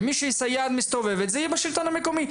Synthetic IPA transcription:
miʃɛisajaːd̪mist̪ovevɛt̪zɛjɛbaʃilt̪onamekomi

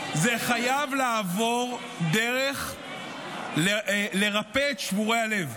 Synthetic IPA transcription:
zeχajavlaːvo̞ʁ | d̪eʁeχ | lle̞ʁapeːt̪ʃvuʁejale̞v

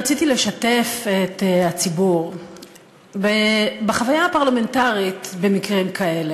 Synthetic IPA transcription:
at͡sitileʃatefet̪hat͡sibuʁ | bebeχavajaːpaʁlame̞ntaʁit̪be̞mikʁimkʰae̞le̞

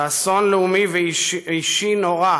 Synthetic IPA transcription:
aso̞nleumiveiʃinoʁa

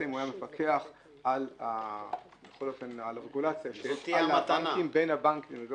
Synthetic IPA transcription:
aimajamefakʰeaχ | ala | jeχoljofenalʁeɡulat͡sjaʃeaaaaŋnkimbejnabaŋkimod

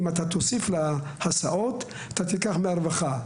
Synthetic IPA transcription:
imat̪at̪osiflahasaʔot̪ | at̪at̪ikaχmeaɾvaχa

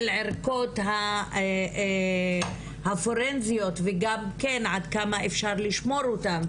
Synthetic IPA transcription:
lʕeʁko̞tɦa | hafoɾenzijo̞tveɡamkenʕad̪kamaefʃaʁliʃmo̞ʁotam

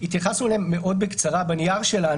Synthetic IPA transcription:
it̪jaχasulemːeʔo̞d̪̚bekt͡saʁabanijaʁʃela

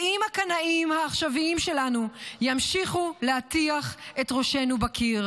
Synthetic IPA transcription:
imhakanaʔimhaːχʃaviimʃe̞lanujamʃiχuleatiaχetʁo̞ʃe̞nubakʰiʁ

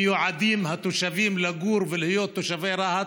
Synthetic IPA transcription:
joʕad̪iːmhat̪uʃaviːmlaɡuːɾvɪlhɪjoːt̪ːoʃaveɾˤɑha

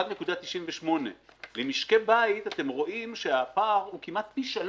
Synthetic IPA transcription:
vnekud̪at̪iʃiɱveʃmo̞nḛlemiʃke̞bait̪at̪e̞mʁo̞ʔimʃeapaʁhukimat̪̚biʃal

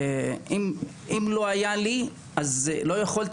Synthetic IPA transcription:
im | imlo̞ajali | azlo̞jaχolt̪

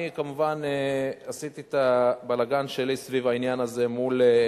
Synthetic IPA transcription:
ikamuvaneasit̪it̪abalaɡanʃe̞lisvivainjanaze̞mul

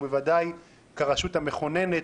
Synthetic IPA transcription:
bevad̪aj | kaʁaʃuthame̞χo̞ne̞ne

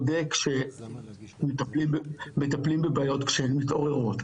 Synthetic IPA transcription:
dekʃe | met̪aplimbmet̪aplimbebaːjo̞t̪kʃeenmitʔo̞ʁe̞ʁo̞t

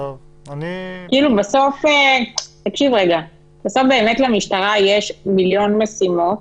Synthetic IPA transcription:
kiːlubaso̞fet̪akʃivʁeɡa | b̥eso̞fbe̞ːmetlamiʃtaʁajeʃmiljo̞nmesimo̞t

